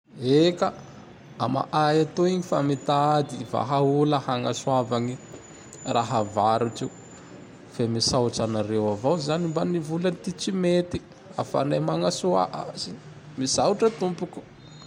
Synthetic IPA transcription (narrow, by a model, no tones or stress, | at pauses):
eka | ama̰ʔajat̪oiɲifamit̪ad̪iva̰ɦaulahaŋasuavaɲi | rʔaɦavaɾuʈ͡ʂi | famisaʈ͡ʂanaɾewavawzanimbanivulanit̪it͡simet̪i | a̰fa̰namaŋasua̰ʔa̰zi | misawʈ͡ʂət̪umpuku̥